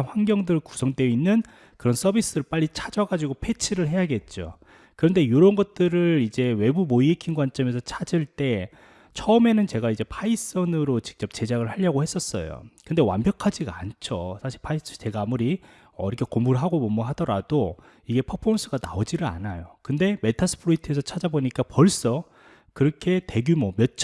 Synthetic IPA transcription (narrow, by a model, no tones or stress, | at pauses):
ɸwanɡjʌŋdɯɾɯɭku̥sʰʌŋdwe̞inːɯn | kɯɾʌns͈ʌbis͈ɯɾɯɭp͈aʎːit͡ɕʰad͡ʑʌɡad͡ʑiɡopʰe̞t͡ɕʰiɾɯɭɦe̞jaɡe̞t̚t͡ɕ͈o̰ | kɯɾʌnde̞joɾʌnɡʌt̚t͈ɯɾɯɭid͡ʑe̞we̞bumoiikʰinɡwant͡ɕ͈ʌme̞sʰʌt͡ɕʰad͡ʑiɭt͈e̞ | t͡ɕʰʌɯme̞nɯnt͡ɕe̞ɡaid͡ʑe̞pʰais͈ʌnɯɾot͡ɕi̥k̚t͡ɕ͈ʌp̚t͡ɕe̞d͡ʑaɡɯɭhaʎːʌɡohe̞s͈ʌs͈ʌ̰jo̰kɯnde̞wa̰mbjʌkʰad͡ʑiɡa̰nt͡ɕʰosʰaɕʰiɭpʰais͈ʌt͡ɕe̞ɡaaːmuɾi | ʌiɾʌkʰekomuɾɦaɡobomʌɦadʌɾad̥o | iɡe̞pʰʌpʰons͈ʰɯɡana̰od͡ʑiɾɯɭa̰najokɯnde̞me̞tʰas͈ʰɯ̥pʰɯɾoitʰɯe̞sʰʌt͡ɕʰad͡ʑaboɲik͈apʌɭs͈ʌ | kɯɾʌkʰe̞te̞ɡumwʌmjʌt͡ɕʰ